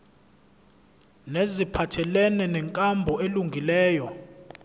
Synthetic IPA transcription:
nezipʰatʰɛlɛnɛnɛŋkʼambʱɔeluŋɡʱilɛːjɔ

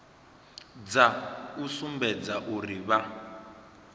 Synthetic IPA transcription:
d͡zausumbɛd͡zaʔuriβa

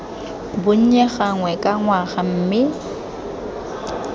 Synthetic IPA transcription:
bʊɲ̩ɲɛɣaŋwɛkʼaŋwaɣam̩ːmɪ

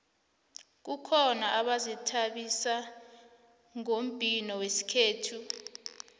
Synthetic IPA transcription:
k̬ukʰɔnaʔaɓazɛtʰaɓisa | ŋom̩bʱʼinɔwesi̥kʰeːtʰu

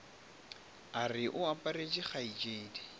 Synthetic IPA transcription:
arɪʔʊapʼared͡ʒʼɪχait͡ʃʼeːdi

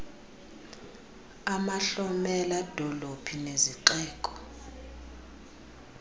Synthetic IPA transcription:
amaɬɔmɛlad̥ʱɔlopʰineziǃɛːkʼɔ̥

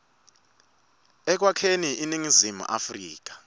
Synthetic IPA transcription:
ɛk̬wakʰeniʔiniŋizimṵʔa̰frḭːk̬ḁ

